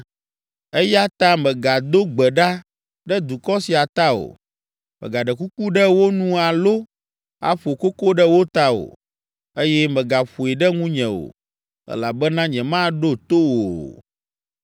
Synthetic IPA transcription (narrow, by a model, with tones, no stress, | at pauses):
ɛ˦ja˦t̪ã˦mɛ̃˨ɡa˨d̪o˦ɡ͡bɛ˨ɖa˦ | ɖɛ˦d̪u˨kɔ˦si˨a˨t̪a˦o̰˨ | mɛ̰˨ɡa˨ɖɛ˨ku˦ku˦ɖɛ˦wo˦nũ˦a˨lo˦ | a̰˨ɸo˨ko˦ko˦ɖɛ˦wo˦t̪a˦o̰˨ | e˦jɛ˦mɛ̃˨ɡa˨ɸu˨ɛ˨ɖɛ˦ŋũ˦ɲɛ̃˨o̰˨ | ɛ̰˦la˨bɛ˦nã˦ɲɛ̃˨mã˦ɖo˦t̪o˦wo˨